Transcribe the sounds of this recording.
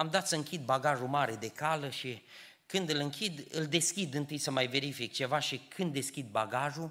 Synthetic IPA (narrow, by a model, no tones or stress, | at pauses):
amd̪at̪səɨŋkʲid̪̚baɡaʒumaɾe̞d̪e̞kaləʃi | kɨnd̪ɨlɨŋkʲid̪ɨld̪e̞skʲid̪ɨnt̪ɨjsəmajve̞ɾifik̚t͡ʃe̞vaʃikʰɨnd̪ːe̞skʲid̪̚baɡaʒu